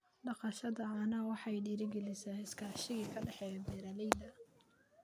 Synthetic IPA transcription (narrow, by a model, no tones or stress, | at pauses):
ɖɑqɑʃɐðɐːnɐwɑħɑjɖiɾɪɡɛlɪsɐhɪskʰaːʃɪɣiːkʰɐɖɛħɛːbɛːɾɐlɛjd̪ɐ